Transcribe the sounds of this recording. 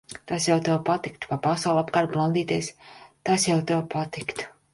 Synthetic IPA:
t̪asjawt̪ɛwpat̪ikt̪u̥papasawlˠapkaːɾt̪̚blˠand̪iːt̪iɛst̪asjawt̪ɛwpat̪ikt̪

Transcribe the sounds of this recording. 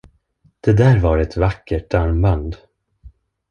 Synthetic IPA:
d̪̥ɛd̪æːɾvaɾɛt̪vakːəʈːaɾmband̪

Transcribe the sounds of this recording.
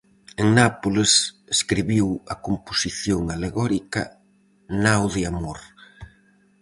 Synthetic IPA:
eŋnapoleseskɾiβiwɐkomposiθjoŋaleɣɔɾikɐ | nawðɪamoɾ

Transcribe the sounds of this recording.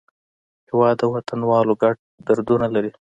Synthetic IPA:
hɪwɑd̪əwat̪ʰanwɑloɡaʈ̚d̪aɾd̪unalaɾi

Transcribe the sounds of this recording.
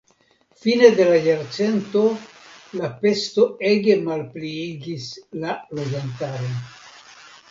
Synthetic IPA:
fine̞d̪e̞lajaɾt͡se̞nto̞ | lape̞sto̞e̞ɡe̞malpliiɡislalod͡ʒantaɾon

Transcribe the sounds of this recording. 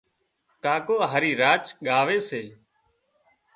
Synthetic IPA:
kaːkoːɦəːɾiːɾaːt͡ʃɠaːʋeːseː

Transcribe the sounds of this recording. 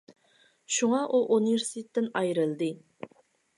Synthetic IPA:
ʃuŋɑʔuʔuniveɾsitt̪ʰet̪ːɪnɑjɾɨlˠd̪ɨ

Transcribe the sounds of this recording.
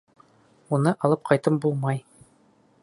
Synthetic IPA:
unɤʔɑlˠɤp̚qʰɑjt̪ɤmbulˠmɑj

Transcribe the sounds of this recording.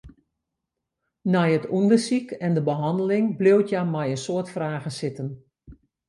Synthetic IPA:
nɛjətundəsikʰɛndəbəɦɑndəlɪŋblewtʰjamɛjənsoətfraːɣəsɪtən

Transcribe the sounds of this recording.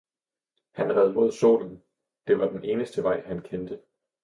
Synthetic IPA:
hænʁɛð̞ˠmo̝ð̰ˠso̝̰ːln̩ | d̥e̝ʋɑ̈d̥enʔe̝ːnəsd̥əʋɑ̈ɪ̰hænkʰend̥ə

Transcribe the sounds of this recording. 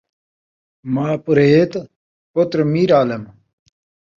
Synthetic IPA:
maːpɾeːt̪ | pot̪ɾmiːɾaːlɐm

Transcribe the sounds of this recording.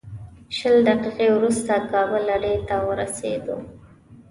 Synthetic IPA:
ʃəld̪aqiqewɾust̪akɑbəlaɖet̪awəɾasḛd̪o̰

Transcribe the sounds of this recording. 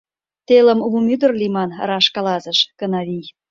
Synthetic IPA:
t̪elə̆mvumʲyd̪ərlimɑnɾɑʃkɑlɑzə̆ʃkənɑβij

